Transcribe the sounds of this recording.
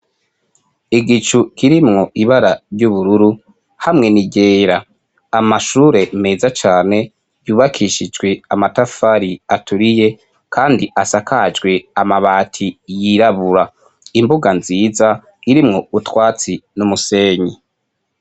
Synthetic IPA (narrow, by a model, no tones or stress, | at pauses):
iɡit͡ʃukʰiɾimŋo̞ʔiβaɾaɾɟuβuɾuɾu | hamŋe̞niɟe̞ːɾa | amaʃuːɾe̞meːzat͡ʃaːne̞ | juːβakʰiʃid͡ʒɡwe̞amatafaɾiatuɾije̞ | kʰaːndiʔasakʰad͡ʒɡwe̞amaβaːtʰijiɾaβuɾa | imbuɡanziːza | iɾimŋo̞utwaːt͡sinumuse̞ːɲi